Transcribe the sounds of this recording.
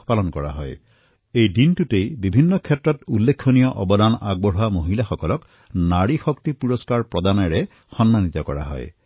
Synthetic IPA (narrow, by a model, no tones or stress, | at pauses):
palɔnkɔɹa̰ɦɔj | ejdintutejbibʱinːɔkʰɛtɹɔtulːekʰːonijɔʔɔbɔd̪ana̰ɡ̚bɔɦuamoɦilaxɔkɔlɔk | naɹixɔkt̪ipuɹɔskaɹpɹɔd̪anɔɹe | xɔnmanit̪ɔkɔɹa̰ɦɔ̰j